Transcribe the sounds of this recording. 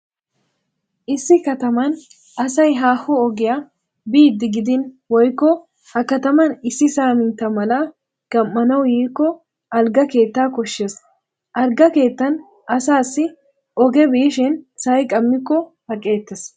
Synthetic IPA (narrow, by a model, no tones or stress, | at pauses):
ʔɪsːɪkɐt̪ɐmɐn | ʔɐsɐjɦaːhɔɔɡɪja | biːd̪ːɪɡɪd̪ɪn | wɔjkːɔ | hɐkɐt̪ɐmɐnɪsːɪsaːmɪnt̪ːɐmɐla | ɡ̥ɐmːɐnɐwjiːkːɔ | ʔɐlɡɐke̞ːt̪ːaːkɔʃːeːs | ʔɐɾɡɐke̞ːt̪ːɐn | ɐsaːsːɪ | ɔɡɛbiʃɪnsɐjkʼɐmːɪkːɔhɐkʼe̞ːt̪ːɛs